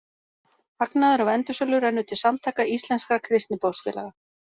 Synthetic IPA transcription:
haknaðʏɾɔɣɛnt̪ʏsœlʏɾɛnːʏt̪ʰɪlsamt̪ʰajkaist̪lɛnskakʰɾɪst̪nɪpoːwscɛ̰la̰ɣa

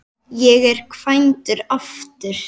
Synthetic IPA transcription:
jɛɣɛɾ̥kʰv̥ajnt̪ʏɾaft̪ʏɾ̥

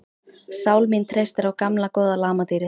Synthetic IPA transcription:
saːwlmint̪ʰɾejst̪ɪɾawkamlakɔːðalaːmat̪iːɾɪ

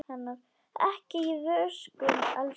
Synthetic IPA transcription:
hanːaɾ | ɛ̰hcɪivœɾskʏmal

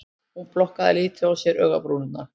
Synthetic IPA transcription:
hunplɔhkaðɪ̰liːt̪ʰɪawsjɛɾœːɣa̰pɾuːnʏnːa

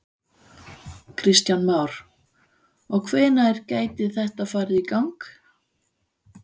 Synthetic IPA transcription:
kʰɾɪst̪janmaːwɾ̥ | ɔɣkʰvɛːnaɛɾcaːjt̪ɪðθɛht̪aðfaːɾɪikawŋk

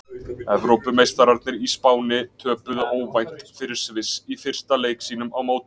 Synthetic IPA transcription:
ɛvɾowpʏmejst̪aɾaɾt̪nɪɾispaːwnɪt̪ʰœːpʏðʏʔoːwvajn̥t̪fɪɾɪɾ̥svɪsifɪr̥st̪aleːjksiːnʏmawmoːwt̪ɪ̥

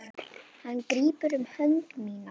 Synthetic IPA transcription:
hankɾiːpʏɾʏmhœŋkmiːna

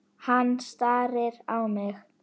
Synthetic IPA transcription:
hanːst̪aːɾɪɾawmɪx

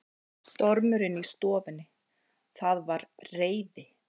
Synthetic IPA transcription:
t̪ɔɾmʏɾɪnist̪ɔːvɪnːɪ | θaðvaɾreːjðɪ

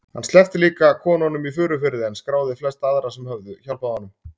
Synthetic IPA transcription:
hanst̪ɛft̪ɪliːkakʰɔːnɔnʏmifʏːɾʏfɪɾɪðɛnskɾaːwðɪflɛst̪aðɾasɛmhœvðʏçawlpaðanʏm

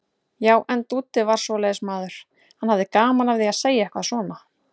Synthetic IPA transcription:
jaːwʔɛnt̪uːt̪ɪvaɾ̥svɔlɛːjðʏsmaːðʏɾ̥ | hanhavðɪkaːmanavðɪaðseːjaɛhkvaðsvɔːna

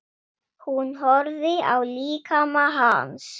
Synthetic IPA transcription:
hunɦɔɾðɪa̰wliːkʰamaɦa̰ns

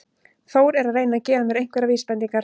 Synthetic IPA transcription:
θoːwɾɛɾaðrejnaðcɛːðamjɛɾejŋ̥kvɛɾaviːspɛnt̪iŋkaɾ

